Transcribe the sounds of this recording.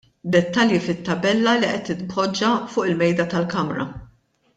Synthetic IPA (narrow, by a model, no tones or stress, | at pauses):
d̪ɛt̪ːɐljifɪt̪ːɐbɛlːɐliʔɛt̪ːɪt̪bɔd͡ʒːɐfʊːʔɪlmɛjd̪ɐt̪ɐlkɐmɾɐ̰